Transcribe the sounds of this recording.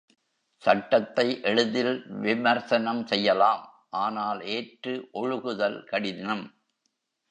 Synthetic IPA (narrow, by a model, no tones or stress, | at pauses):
sɐʈːɐt̪ːɐɪʔɛɻɯðɪlʋɪmɐɾsɐnɐmsɛjːɐlaːm | ʔaːnaːleːʈrɯʔɔɻɯɣɯðɐlkɐɽɪðɐm